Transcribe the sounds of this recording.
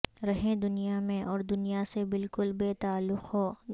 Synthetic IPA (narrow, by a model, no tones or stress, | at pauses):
ɾɐɦẽd̪ʊnijamẽʔɔːɾd̪ʊnijasebɪlkʊlbeːt̪aːlːʊqɦo